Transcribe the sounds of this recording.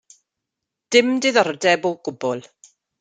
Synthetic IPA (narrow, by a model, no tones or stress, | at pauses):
d̥ɪmdɪðɔrdɛboɡ̥ʊbɔlˠ